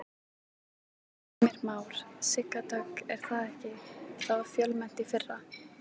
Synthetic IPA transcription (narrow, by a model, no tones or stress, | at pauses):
mɪɾmaːwɾ̥sɪkːat̪œkɛɾ̥θaðɛhcɪθavaɾ̥fjœlmɛn̥t̪ɪfɪrːa